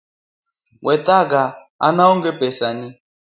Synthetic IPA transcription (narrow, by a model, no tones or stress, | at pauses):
wʔɛt̪aɡa | a̰naɔŋɡɛpɛsani